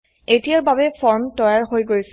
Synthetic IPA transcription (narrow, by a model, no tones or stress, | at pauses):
etijaɹbabɛpʰɔɹmtɔjaɹɦojɡoɹis